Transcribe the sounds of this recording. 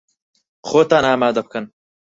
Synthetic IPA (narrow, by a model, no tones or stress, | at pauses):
xoːt̪aːnaːmaːd̪ɐb̚kɨn